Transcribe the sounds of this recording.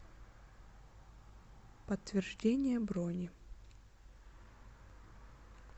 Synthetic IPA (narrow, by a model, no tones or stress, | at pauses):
pət̪ːvʲɪrʐdʲenʲɪjəbɾonʲɪ